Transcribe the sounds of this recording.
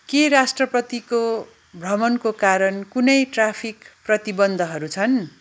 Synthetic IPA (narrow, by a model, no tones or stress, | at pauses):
keɾasʈrʌpʌt̪iko | bʱʌmʌnkokaɾʌnkunʌjʈrapʰikprʌt̪ibʌnd̪ʱʌɦʌɾut͡sʰʌn